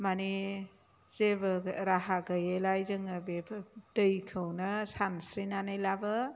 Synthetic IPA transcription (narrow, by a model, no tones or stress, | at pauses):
mani | z̥ebɐɾaɦaɡəjelajzɯŋɐbepʰdɯjkʰɯwnɐsansɾinanajlabɐ